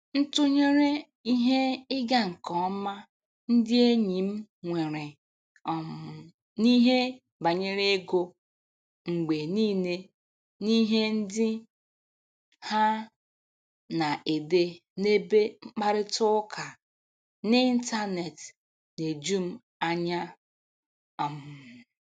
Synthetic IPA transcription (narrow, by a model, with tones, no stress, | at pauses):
n̩˦tʊ˦ɲe˦ɾe˦ | i˦ɦe˦ɪ˦ɡa˦ŋ̩˨kɔ˨ɔ˦ma˦ | n̩˦dɪ˦e˦ɲi˨m̩˦ŋʷe˨ɾe˨ | ɔ˨m̩˨ | ni˦ɦe˦ | ba˨ɲe˦ɾe˦e˦ɡo˦ | ŋ͡m̩˨ɡ͡be˨niː˦ne˦ | ni˦ɦe˦n̩˦dɪ˦ | ha˦ | na˨ʔe˨de˦ne˦be˦ŋ͡m̩˦k͡pa˦ɾɪ˦tʊ˦kʰa˨ | ni˦i˦n̩˦ta˦ne˨t | ne˨d͡ʒu˦m̩˦ | a˦ɲa˦ | ɔ˨mʊ˨